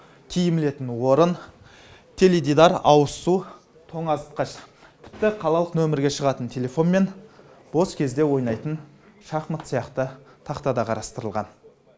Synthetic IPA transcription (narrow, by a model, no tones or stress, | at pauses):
kʲʰijɪmɪle̞t̪ɪnwo̞ɾən | t̪ʲʰe̞led̪id̪ɑɾɑwəsu | t̪ʰo̞ɴɑzət̪̚qɑʃt̪ʰɪ̥p̚t̪ɪqʰɑlˠɑlˠəqnɵmɪɾɡʲe̞ʃəʁɑt̪ənt̪ʰe̞le̞fo̞nme̞n | b̥o̞skʲʰe̞zd̪e̞wo̞jnɑjt̪ən | ʃɑχmət̪sijɑqt̪ə | t̪ʰɑqt̪ɑd̪ɑqʰɑɾɑst̪əɾəlˠʁɑn